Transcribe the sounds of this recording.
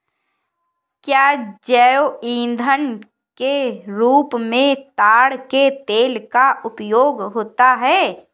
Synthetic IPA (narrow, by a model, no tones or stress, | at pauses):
kjaːd͡ʒɛːjoĩːnd̪ʱən | keɾuːpmẽt̪aːɽket̪eːlkaʔʊpjoːɡɦoːt̪aɦɛː